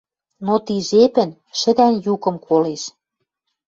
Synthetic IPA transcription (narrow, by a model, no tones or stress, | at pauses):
not̪iʒepɘ̆n | ʃə̆d̪ænjukɤ̆mkʰoleʃ